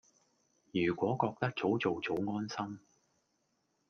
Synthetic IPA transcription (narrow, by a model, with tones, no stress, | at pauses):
jyː˨˩kʷɔː˨˥kɔː˧k̚t̪ɐ˥k̚t͡so˨˥wt͡so˨wt͡so˨˥wŋɔː˥nsɐ˥m